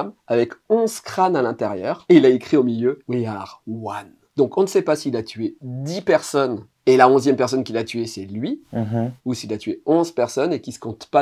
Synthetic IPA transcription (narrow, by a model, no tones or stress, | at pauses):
mavɛkɔ̃zkχanalɛ̃t̪eʁjœːʁeilaekχiomiljøweaʁwan | d̪ɔ̃kɔ̃nəsɛpasiːlat̪ʰɥed̪ipɛʁsɔn | elaɔ̃zjɛmpɛʁsɔnkʲilat̪ɥesɛlɥi | usiːlat̪ɥeɔ̃zpɛʁsɔnekʲisə̥kɔ̃t̪pa